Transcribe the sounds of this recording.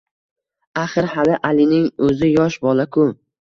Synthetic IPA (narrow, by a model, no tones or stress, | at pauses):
aχɨɾhalɪʔalɪnɪŋɵzɪjɒʃbɒlˠakʰʊ